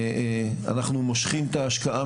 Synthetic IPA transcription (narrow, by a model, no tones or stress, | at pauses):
a̰naχnumo̞ʃχimt̪aːʃkaʔa